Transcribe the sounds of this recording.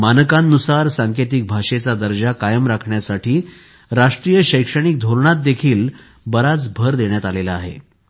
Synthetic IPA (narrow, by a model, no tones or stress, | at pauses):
manəkanːusaɾsãŋkʰet̪ik̚bʱaʂet͡sad̪əɾd͡ʑakajəmɾakʰɳjasaʈʰiː | ɾaʂʈɾiːjəɕəjkʂəɽ̃ik̚d̪ʱoɾɳat̪̚d̪ekʰiːl | bəɾat͡sbʱəɾd̪eɳjat̪alelaːɦḛ